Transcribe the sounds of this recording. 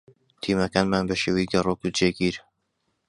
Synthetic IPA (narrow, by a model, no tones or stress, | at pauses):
t̪ʰiːmɐkaːnmaːnbɐʃeːwejɡɐrˤokud͡ʒeɡiɾ